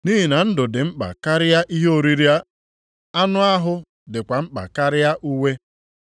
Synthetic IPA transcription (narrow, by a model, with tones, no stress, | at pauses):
ni˦ɦi˨na˨n̩˦dʊ˨dɪ˨ŋ͡m̩˦k͡pa̰˨ka˦ɾɪ˦ja˦ʔi˦ɦe˦o˨ɾi˦ɾi˦a˦ | a˦nʊ˦a˦ɦʊ˦ | dɪ˨kʷa˨m̩˦k͡pa̰˨ka˦ɾɪ˦ja˦ʔu˦we˦